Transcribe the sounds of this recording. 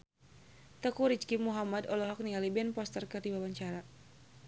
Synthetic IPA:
t̪əkuɾit͡ʃkimuɦamad̪ɔlɔɦɔk̚nialibɛnpɔst̪ərkərdibawaɲt͡ʃaɾa

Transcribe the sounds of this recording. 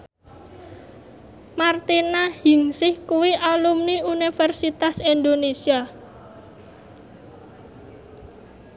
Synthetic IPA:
mart̪inahiŋsɪhkuwiʔalumniunifɛrsit̪asind̪onesia

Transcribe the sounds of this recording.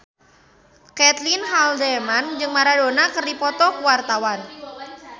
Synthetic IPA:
kɛt̪linɦald̪ɛmand͡ʒɨŋmaɾadonakərdipɔt̪ɔkuwart̪awan

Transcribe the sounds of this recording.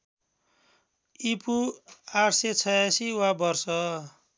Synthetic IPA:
ipuaʈset͡sʰʌjasiwabʌrsʌ

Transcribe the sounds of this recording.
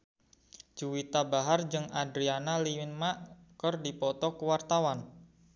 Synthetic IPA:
d͡ʒuwit̪abaɦard͡ʒɨŋadɾianaliwɪnmaʔkərdipɔt̪ɔkəwart̪awan

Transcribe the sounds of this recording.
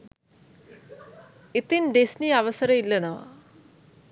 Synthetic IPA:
et̪inɖesniaʋəsəɾəilːɐnəʋa̰

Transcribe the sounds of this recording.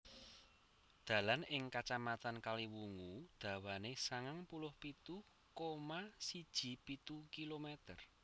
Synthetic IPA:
d̪̥ä̤lanɪŋkat͡ʃamat̪ankaliwuŋud̪̥ä̤wanesaŋaŋpulʊhpit̪u | komasid̥ʒ̥i̤pit̪ukilomɛt̪ər

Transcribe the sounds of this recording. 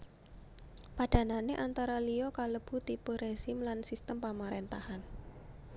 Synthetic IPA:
paɖ̥a̤naneʔant̪aɾaliɔkaləb̥ṳt̪ipəɾez̥imlansist̪əmpamaɾent̪ahan

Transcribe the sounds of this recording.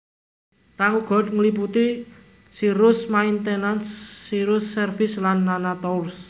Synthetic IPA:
kaŋuɡ̥ɔ̤d̚ŋəlip̬ut̪isiɾʊsmaint̪enansːiɾʊsːɛrfɪslanːanat̪ɔurs

